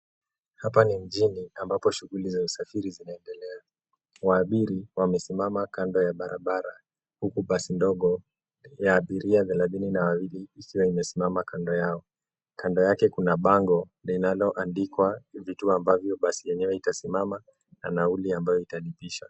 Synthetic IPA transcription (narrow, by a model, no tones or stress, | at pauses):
hapanim̩ʄiniambapɔʃuɣulizausafiɾizinaɛndɛlɛa | waːɓiɾiwamɛsimamakandɔjaɓaɾaɓaɾa | hukuɓasindɔɠɔ | jaːɓiɾiaðɛlaðininawawiliːkiwaimɛsimamakandɔjaɔ | kandɔjakɛkunaɓaŋɡɔ | linalɔʔandikwavituambavjɔɓasijɛɲɛwɛitasimama | na̰nauliambajɔitalipiʃa